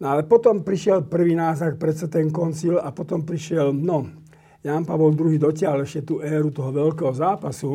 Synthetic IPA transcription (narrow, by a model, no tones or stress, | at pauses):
nɔalɛpɔt̪ɔmpɾiʃɪɛlpr̩ʋiːnaːzak̚pɾɛt͡sat̪ɛŋkɔnt͡silapɔt̪ɔmpɾiʃɪɛlnɔ | janpaʋɔld̪ɾuɦiːd̪ɔcɪalɛʃcɛt̪uːʔɛːɾut̪ɔɦɔʋɛlkɛːɦɔzaːpasu